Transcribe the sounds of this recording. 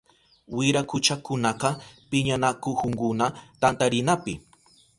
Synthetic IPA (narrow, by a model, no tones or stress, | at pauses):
wɪɾakʊt͡ʃakʊnɑqɑpɪɲanakʊhʊŋkʊnat̪ant̪aɾɪnapɪ